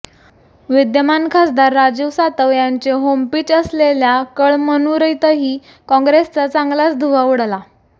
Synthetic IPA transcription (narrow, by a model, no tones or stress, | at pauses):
ʋid̪jəmankʰasd̪aɾːad͡ʑiʋsat̪əʋjaɲt͡ɕeɦompiːt͡ɕəsleljakəɭmənuːɾəjt̪əɦiː | kɔ̃ŋɡɾest͡sat͡saŋɡlat͡sd̪ʱuʋauɽla